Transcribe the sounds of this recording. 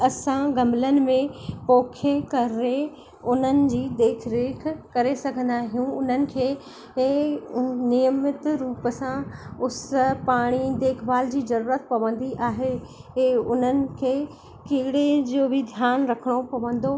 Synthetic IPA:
ɐsãɡɐmlənɪ̆mẽpɔːkʰekɐɾe | ʊn̤ənɪ̆d͡ʑiːd̪eːkʰɾeːkʰkɐɾesɐɡʱə̃nd̪aːɦijũʊn̤ənɪ̆kʰeː | nijəmɪt̪ɾuːpsãʊspaːɽ̃id̪eːkʰbaːld͡ʑiːzɐɾuːɾət̪̚pɐʋə̃nd̪iʔaːɦe | ʊn̤ənɪ̆kʰeː | kɪɦɪɽed͡ʑoːbɪd̪ʱjaːnɾɐkʰəɽ̃opɐʋə̃nd̪o

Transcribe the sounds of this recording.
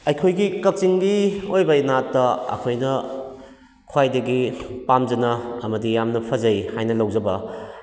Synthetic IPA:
ɐjkʰojɡikɐk̚t͡ʃiŋɡiojbɐjinatːɐɐ̰kʰojnɐ | kʰwajdɐɡipamd͡ʒɐnɐɐmɐdijamnɐpʰɐzɐjhajnɐlɐwd͡ʒɐbɐ

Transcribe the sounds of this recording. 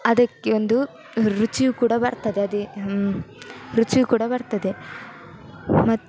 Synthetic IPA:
ɐd̪ɐkːeond̪u | ɾut͡ʃijukuːɽɐbɐɾt̪ɐd̪eɐd̪i | ɾut͡ʃijukuːɽɐbɐɾt̪ɐd̪e̞ | mɐt̪ː

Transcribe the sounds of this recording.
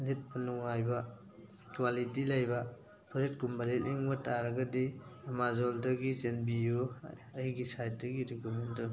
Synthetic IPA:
lit̚punuŋajbɐ | kwalitilajbɐ | pʰuɾet̚kumbaletliŋbɐtaɾɐɡɐdiɐmazoldɐɡizenbijuɐiɡisajt̚dɐɡiɾikumentɯ

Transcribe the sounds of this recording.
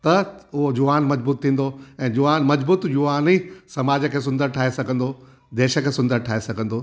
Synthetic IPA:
t̪ɐʊɦod͡ʑʊaːnmɐd͡ʑbuːt̪ʰːĩːnd̪oɛ̃ːd͡ʑʊʋaːnmɐd͡ʑbuːt̪d͡ʑʊʋaːnisɐmaːd͡ʑəkʰeːs̬ʊ̃nd̪əɾʈʰaːesɐɡʱə̃nd̪o | d̪eːʃə̆kʰeːsʊ̃nd̪əɾʈʰaːɦesɐɡʱə̃n̆d̪oː

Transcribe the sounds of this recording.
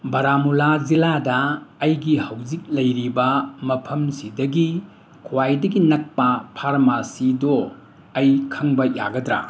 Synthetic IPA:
bɐɾamulad͡ʒiladɐːjɡihɐwd͡ʒik̚lɐjɾibɐmɐpʰɐmsidɐɡi | kʰwajdɐɡinɐk̚pɐpʰaɾmasido | ɐjkʰɐŋbɐja̰ɡɐdɾa̰

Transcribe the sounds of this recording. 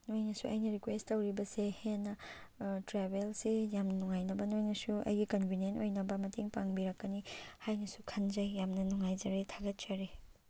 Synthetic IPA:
nojnɐsuʔɐ̰jnɐɾikwesttːɐwɾibɐsehenːɐtɾebelsijamnɐnuŋajnɐbɐnojnɐsuɐ̰jɡikɐnbʱinenʔojnɐbɐmɐtiŋpaŋbiɾɐkːɐnihajnɐsukʰɐnd͡ʒɐjːamnɐnuŋajd͡ʒɐɾetʰaɡɐt̚t͡ʃɐɾe

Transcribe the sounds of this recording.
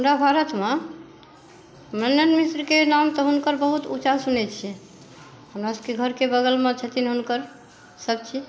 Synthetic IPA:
ɦəmɾabʱaɾət̪me | mənənmisɾkenamt̪ɔɦunkəɾbəɦut̪ut͡ʃasunɛt͡ʃʰijɛ | həmɾasəbkeɡʱəɾkebəɡəlmet͡ʃʰɛt̪inɦunkəɾ | səb̚t͡ʃʰi

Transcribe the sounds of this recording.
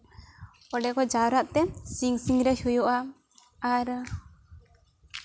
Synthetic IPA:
ɔɖɛkɔd͡ʒawɾaʔ̪t̪ɛsiŋsiŋɾɛʃujɔʔa | aɾ

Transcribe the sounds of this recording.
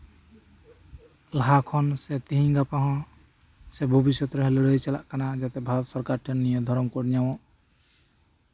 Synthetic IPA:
lɦakʰɔnset̪iɦĩŋɡapaɦɔ̃ | sebʱɔbisjɔt̪ɾɔɦɛ̃lɽəjt͡ʃɛla̰ʔkanad͡ʒat̪ɛbʱaɾɔt̪sɔɾkaɾʈʰɛnːijɔ̃d̪ʱɔɾɔmkɔɽɲawɔ̃ʔ

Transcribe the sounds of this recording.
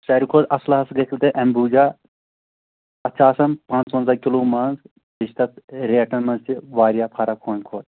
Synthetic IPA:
sɐɾʲikʰoːd̪ɐslɐɦɐsɡɐkʰlt̪eʔɐmbuːd͡ʒaː | ɐt͡ʃʰaːsɐmpãːnsoːnzaːkʲiluːmɐːnz | biʃt̪ɐt̪ɾeːʈɐnmɐnst̪iʋaːɾjaːpʰaːɾakʰoːnkʰoːd̪̚

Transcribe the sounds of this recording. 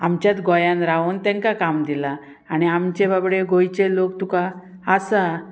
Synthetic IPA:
amt͡ɕjat̪ɡɔjãnɾaont̪ɛ̃ŋkakamd̪ila | aɽ̃iamt͡ɕebabɽeɡojt͡ɕelokt̪ukaː | sa

